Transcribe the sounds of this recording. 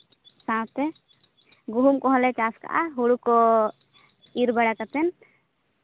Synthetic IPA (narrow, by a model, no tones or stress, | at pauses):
sãt̪ɛ | ɡuɦumkɔɦɔlɛt͡ʃaska̰ʔaɦuɽukɔ | iɾbɛɽakat̪ɛn